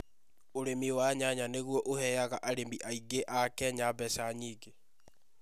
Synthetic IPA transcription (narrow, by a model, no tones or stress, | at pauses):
oɾemiwaɲaɲaneɣwɔʔohɛjaɣaʔaɾembiʔaiɡeʔakɛɲabɛsaɲiːɡe